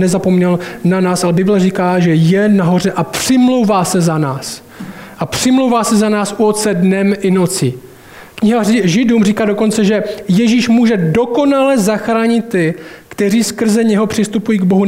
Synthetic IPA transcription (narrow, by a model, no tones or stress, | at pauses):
ɛzapo̞mɲɛlnanaːsʔalɛbɪblɛriːkaːʒɛjɛnaɦo̞r̝ɛʔapr̥ɪmlowvaːsɛzanaːs | ʔapr̝̥ɪmlowvaːsɛzanaːsʔuot̪t͡sɛdnɛmʔɪno̞t͡sɪ | kɲɪɦaʒɪduːmriːkaːdo̞ko̞nt͡sɛʒɛjɛʒiːʃmuːʒɛdo̞ko̞nalɛzaxɾaːɲɪt̪ːɪkt̪ɛriːskr̩zɛɲɛɦo̞pr̝̥ɪst̪upujiːɡbo̞ɦu